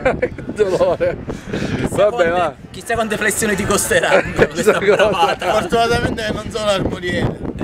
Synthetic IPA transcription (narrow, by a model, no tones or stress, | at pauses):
d̪olɔːɾɛ | vabɛma | k̟ist̪ːakwant̪eflesːjoːnid̪ikost̪eɾaŋesaakɔovat̪afoɾt̪unat̪amɛnt̪enonsɔnaɾboɾjɛːne